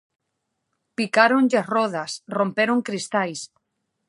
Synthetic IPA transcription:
pikaɾoŋʎɪrɔðɐsrompeɾoŋkɾist̪ajs

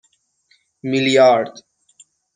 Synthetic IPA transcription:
milijaːɾɾd̪

